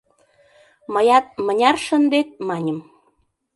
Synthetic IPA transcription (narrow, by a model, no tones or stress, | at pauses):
məjɑt̪̚mə̆nʲɑrʃə̆nd̪et̪̚mɑnʲə̆m